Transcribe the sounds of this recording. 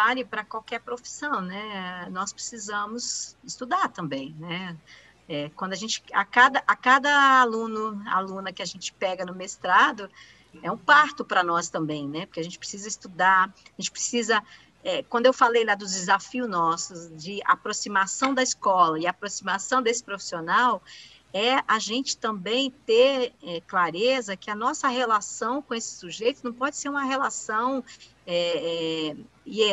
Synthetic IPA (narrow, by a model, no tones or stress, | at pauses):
aʎʊpɾɐkwawkɛɾpɾofi̥sɐ̃w̃nɛnɔspɾe̥sizɐ̃mʊzɪst̪ud̪aɾt̪ɐ̃mbẽj̃nɛ | ɛkwɐ̃nd̪aʒẽt͡ʃɪ̥akad̪ɐʔakad̪ɐalũnʊa̰lũnɐkɪaʒẽt͡ʃɪ̥pɛɡɐnʊmest̪ɾad̪ʊ | ɛũpaɾt̪ʊpɾɐnɔst̪ɐ̃mbẽj̃nɛpo̥ɾkeaʒẽt͡ʃɪpɾesizɐist̪ud̪aɾaʒẽnt͡ʃɪ̥pɾesizɐ | ɛkwɐ̃nd̪ʊewfalejlad̪ʊzd͡ʒɪzafiʊznɔsʊd͡ʒɪa̰pɾosimasɐ̃w̃d̪ɐiskɔlɐɪaːpɾosimasɐ̃w̃d̪esɪ̥pɾofi̥sionaw | ɛaʒẽnt͡ʃɪ̥t̪ɐ̃mbẽj̃t̪eɛklaɾezɐkɪɐnɔsɐɦelasɐ̃w̃kõesɪ̥suʒejt̪ʊznɐ̃w̃pɔd͡ʒɪseɾũmɐɦelasɐ̃w̃ | ɛɛ | ɪɛ